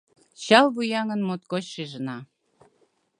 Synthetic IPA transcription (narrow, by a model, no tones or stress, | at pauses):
t͡ɕɑlβujɑŋə̆nmot̪kot͡ɕʃeʒənɑ